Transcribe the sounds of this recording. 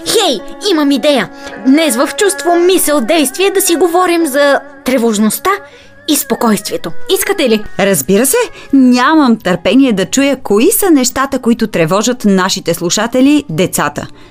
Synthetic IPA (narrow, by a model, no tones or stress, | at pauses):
xɛjimɐmid̪ɛjəd̪nɛsvəft͡ʃust̪vomisɛlˠd̪ɛjst̪viɛd̪ɐsiɡovɔɾimzɐ | t̪ɾɛvoʒnost̪a | ispokɔjst̪viɛt̪oiskət̪ɛliɾɐzbiɾəsɛnʲaməmt̪əɾpɛniɛd̪ɐt͡ʃujəkoisənɛʃt̪at̪əkoit̪ʊt̪ɾɛvɔʒət̪naʃit̪ɛslˠuʃat̪ɛlʲid̪ɛt̪sat̪ə̰